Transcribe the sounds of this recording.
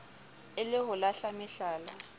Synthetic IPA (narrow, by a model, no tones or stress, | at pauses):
ɪlɪɦʊlaɬamɪɬaːla